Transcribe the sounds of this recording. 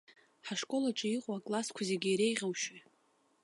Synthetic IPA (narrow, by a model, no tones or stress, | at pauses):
ħaʂkʼo̞laʈ͡ʂʼɨiqʼwakʼlaskʷʰazeɡʲɪjɾejʁʲawʃi